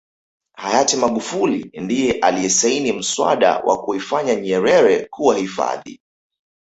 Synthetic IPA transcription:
hajatimaɠufulindijɛʔaliɛsainim̩swa̰ɗa̰wʔa̰kuifaɲaɲɛɾɛɾɛkuwahifa̰ðḭ

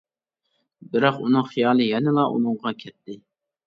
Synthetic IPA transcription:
bɪɾɑqunɨŋχijɑːlˠɨjɛnɪlˠɑʔṵnɨŋʁɑkʲʰɛt̪ʰːɪ

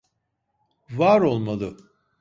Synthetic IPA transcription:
vaːɾo̞lˠmalˠɯ

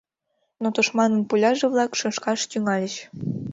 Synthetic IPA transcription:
not̪oʃmɑnənpulʲɑʒeβlɑkʃɤ̆nʃkɑʃt̪yŋɑlʲəɕ

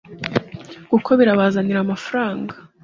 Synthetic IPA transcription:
kukʰo̞βiɾaβaːzaniɾamafɾaːŋɡa

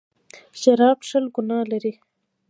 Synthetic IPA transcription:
ʃaɾɑbʂəlɡʊnɑlaɾi

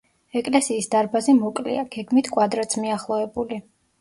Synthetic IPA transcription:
ɛkʼlɛsiːsd̪aɾbazɛmɔkʼlḭaɡɛɡmit̪ʰkʼwad̪ɾat̪sʰmiaχlˠɔɛbuli

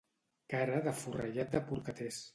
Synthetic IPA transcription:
kaɾəðəfurə̰ʎat̪̚d̪əpuɾkət̪es

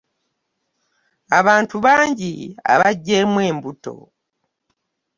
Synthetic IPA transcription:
aβaːntuβaːɲɟia̰βaɟːemwe̞ːmbuto̞̰

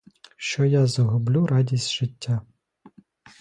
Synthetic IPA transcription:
ʃt͡ʃɔjazɔɦʊblʲuɾɑdʲisʲtʲʒ̥ɪtʲːa

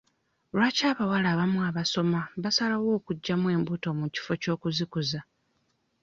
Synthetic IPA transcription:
lwaːcaːβawalaːβamuaβaso̞maβasalawo̞ːkuɟːamwe̞ːmbuto̞muci̥fo̞co̞ːkuzikuza

